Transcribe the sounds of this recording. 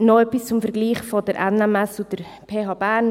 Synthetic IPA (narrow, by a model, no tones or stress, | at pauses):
noœpist͡sʊmfəɾɡliːχfɔdəɾʔɛnɛmɛsud̥əɾ | pʰeːɦɑːbæːɾn